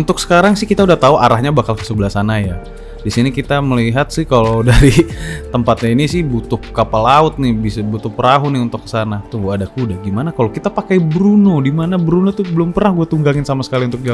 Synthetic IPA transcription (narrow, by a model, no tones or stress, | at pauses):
unt̪ʊksə̥kaɾaŋsɪhkit̪audaht̪auʔaɾahɲabakalkə̥səbəlasanaja | disinikit̪aməliɦat̪̚sɪhkalodaɾit̪əmpat̪̚ɲainisɪhbut̪ʊkːapalaʊt̪̚nɪbisabut̪ʊpəɾaɦunɪunt̪ʊkːə̥sanat̪uadakudahɡimanakalokit̪apakajbəɾunodimanabəɾunot̪ʊbəlʊmpərnahɡuat̪uŋɡaŋɪnsamasə̥kaliunt̪ʊk̚d͡ʒa